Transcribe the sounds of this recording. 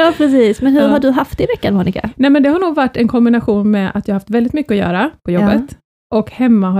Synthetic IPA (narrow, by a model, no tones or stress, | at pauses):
aːpʰɾɛsiːsmɛnhɵɾɦaɖɵɦaft̪ɛɪvɛkːanmuːnɪka̰nɛːmɛnd̪ɛhaɳuːɡvaʈːɛnkʰɔmbɪnaɧuːnmɛa̰t̪̚jaːahaft̪vɛld̪ɪt̪mʏkːəɔjœ̰ːɾapʰɔjɔbːət̪ | ʔɔkhɛmːaɦa